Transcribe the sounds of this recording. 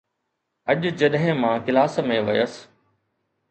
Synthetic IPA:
ɐʄd͡ʑɐɗɦɪ̃mãːkɪlaːsmẽʋɐjəs

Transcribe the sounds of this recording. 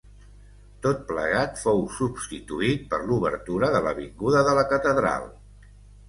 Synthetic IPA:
t̪ot̪̚pləɣ̞at̪fowsubst̪it̪uit̪̚pəɾluβə̰ɾt̪uɾəðələ̰βiŋɡuðəðələkət̪əðɾa̰lˠ

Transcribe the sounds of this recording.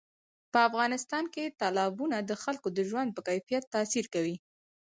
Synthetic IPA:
pəafɣɑnɪst̪ɑnket̪ɑlɑbunad̪əxalkod̪əʒwand̪̚pəkajfijat̪ːasiɾkawi

